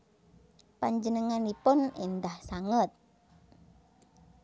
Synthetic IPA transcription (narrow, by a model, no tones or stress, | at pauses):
paɲd͡ʒənəŋanipʊnend̪ahsaŋət̪̚